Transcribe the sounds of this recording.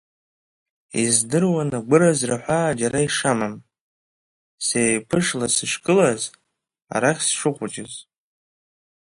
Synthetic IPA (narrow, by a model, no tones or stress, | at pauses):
ḭzdɨrwanaɡʷʊɾazraħʷad͡ʒaɾaiʂamam | seːjpʰɨʂlasɨʃkʼɨlaz | a̰ɾaχʲsʂɨqʷʼʊd͡ʒɪz